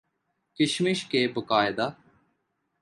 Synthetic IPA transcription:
kɪʃmɪʃkeːbəkaːɪd̪a

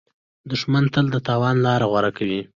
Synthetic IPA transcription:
d̪ʊʂmant̪əld̪ət̪ɑwɑnlɑɾaɣwaɾakʰawi

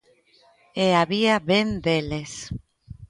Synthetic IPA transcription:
eaβiaβend̪eles

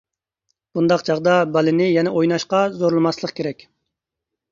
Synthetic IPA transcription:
b̥und̪ɑqt͡ʃʰɑʁd̪ɑbɑlɪnɪjɛnɛʔojnɑʃqɑzoɾlˠmɑslˠəqkʲʰeɾɛkʲ

